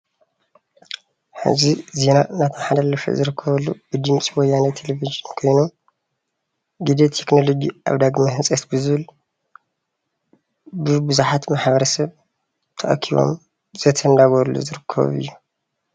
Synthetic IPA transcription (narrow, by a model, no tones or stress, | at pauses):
ħɨ̰zize̞nanat̪ʰɐħad̪alːɐʃḛzɨɾɨkʰːɐβɐlːub̥ɨd̪ɨmt͡sʼiwɔjːanɐt̪ʰelevid͡ʒinkʰo̞jnu | ɡid̪et̪ʰekno̞lo̞d͡ʒiʔa̰βd̪aɡmaɦɨnsʼɐt̪bɨzɨβɨl | bɨbɨzuħat̪maħbɐɾɐsɐβ | t̪ʰɐʔkʰiβo̰m | zɐt̪ʰɐnd̪aɡɐlːṵzɨɾɨkʰːɐ̰βɨ̰jːu